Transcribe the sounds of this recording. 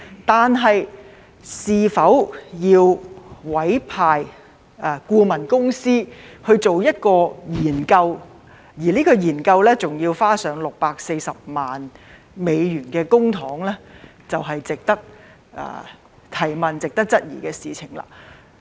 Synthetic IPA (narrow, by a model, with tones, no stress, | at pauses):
t̪aː˨nɦɐ˨j | siː˨fɐ˨˥wjiː˧wwɐ˨˥jpʰaː˨j | ʔɛ˨˧kuː˧mɐ˨˩nkʊ˥ŋsiː˥hɵ˧ɥt͡so˨wjɐ˥t̚kɔː˧jiː˨˩nkɐ˧w | jiː˨˩liː˥kɔː˧jiː˨˩nkɐ˧wlɛː˥t͡sʊ˨ŋjiː˧wfaː˥sœː˨˧˥ŋlʊ˨k̚paː˧k̚se˧jsɐ˨p̚maː˨n | me˨˧jjyː˨˩nkɛː˧kʊ˥ŋt̪ʰɔː˨˥ŋlɛː˥ | t͡sɐ˨wɦɐ˨jt͡sɪ˨k̚t̪ɐ˥k̚ | ʔɛ̰ː˧ | t̪ʰɐ˨˩jmɐ˨nt͡sɪ˨k̚t̪ɐ˥k̚t͡sɐ˥t̚jḭː˨˩kɛː˧siː˨t͡sʰɪ˨˩ŋla̰ː˧˩